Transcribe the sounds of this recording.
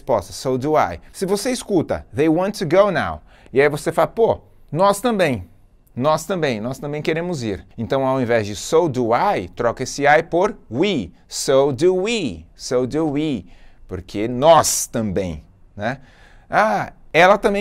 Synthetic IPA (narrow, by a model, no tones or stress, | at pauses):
spɔst̪ɐsowd̪ua̰jsɪvoseiskut̪ɐ̰ðejwɔ̃nt̪ːuɡowna̰w | iaivosefalɐpo | nɔst̪ɐ̃mbẽj̃ | nɔst̪ɐ̃mbẽj̃nɔst̪ɐ̃mbẽj̃keɾẽmʊziɾẽnt̪ɐ̃w̃awẽvɛzd͡ʒɪsowd̪uajt̪ɾɔkɐesɪajpoɾwi | sowd̪uwisowd̪uipoɾkʰenɔst̪ɐ̃mbḛ̃j̃ | nɛ | aɛlɐt̪ɐ̃mbẽ